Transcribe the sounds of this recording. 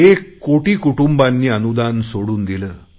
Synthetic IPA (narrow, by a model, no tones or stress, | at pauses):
ekːoːʈikuʈumbanːiɐnud̪aːnsoɽund̪ilɨ